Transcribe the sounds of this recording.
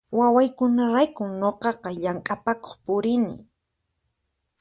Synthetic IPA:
wawajkʊnaɾajkʊŋɲoqɑqɑʎaŋkʼapako̥χpʊɾɪnɪ̰

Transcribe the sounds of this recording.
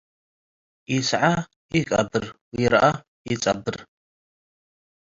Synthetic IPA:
isʕa | ikʼɐ̰bɨr | jiɾʔa | jit͡sʼɐ̰bɨr

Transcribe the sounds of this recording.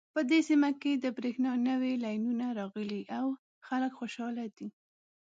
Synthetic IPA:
pəd̪esimaked̪əbɾexnɑnəwelɑjnunaɾɑɣəliʔaw | xaləkxoʃɑlad̪i

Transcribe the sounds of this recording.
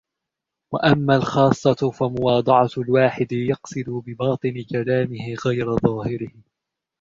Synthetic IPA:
wa̰ʔamːaːlxɑːsˤːɑfamʊwɑːd̪ˤɑʕɑlwaːħɪd̪ɪjɑqsɨd̪ʊbɪbɑːt̪ˤɨnɪkalaːmɪhɪɣajɾaðˤɑːhɪɾɪhɪ

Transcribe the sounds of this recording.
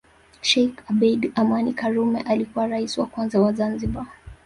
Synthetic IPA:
ʃɛjkabɛdamanikaɾumɛʔalikuwaɾaisiwakwanzawazanziɓa

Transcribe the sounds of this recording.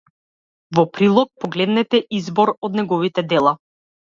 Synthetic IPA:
vɔpɾilˠɔk̚pɔɡlɛd̪nɛt̪ɛʔizbɔɾɔd̪nɛɡɔvit̪ɛd̪ɛlˠa

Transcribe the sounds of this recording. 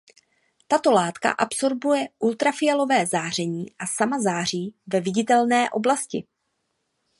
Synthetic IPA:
t̪at̪o̞laːt̪ka̰ʔapso̞ɾbujɛʔult̪ɾafɪjalo̞vɛːzaːr̝ɛɲiːʔasamazaːr̝iːvɛvɪɟɪt̪ɛlnɛːʔo̞̰blascɪ

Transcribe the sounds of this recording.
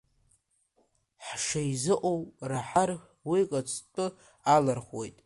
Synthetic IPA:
ħʂajzɨʔʼowraħarʲ | wikʼat͡sʰʼtʼɨ | alarχo̰jtʼ

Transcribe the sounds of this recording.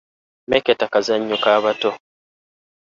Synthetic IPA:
meketakazaɲːukaːβato

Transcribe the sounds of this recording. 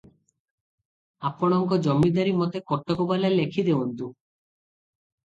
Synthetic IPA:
apɔɽ̃ɔŋkɔd͡ʒɔmːid̪aɾimɔt̪ekɔʈːɔkobalalekʰid̪eunt̪u

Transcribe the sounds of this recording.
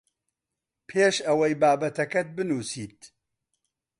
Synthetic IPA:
pʰeːʃɐwɐjbaːbɐt̪ʰɐkɐt̪̚bɨnuːsiːt̪

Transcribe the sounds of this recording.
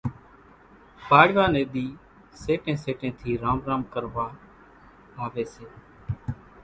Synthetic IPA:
baːɽʋaːneːd̪iː | seːʈẽːseːʈẽːt̪ʰiːɾaːmɾaːmkəɾʋaː | aːʋeːseː

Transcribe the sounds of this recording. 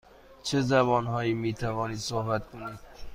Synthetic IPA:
t͡ʃʰe̞zæβɒːnɦɒːjiːmiːt̪ʰævɒːniːd̪̥sohbæt̪kʰoniːd̪̥̚

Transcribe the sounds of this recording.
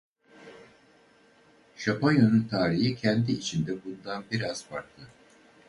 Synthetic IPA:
ʃapʰojonunt̪ʰaːɾiɦicʰɛnd̪iːt͡ʃʰind̪ɛbund̪anbiɾaz̥paɾ̚t̪ʰɯ

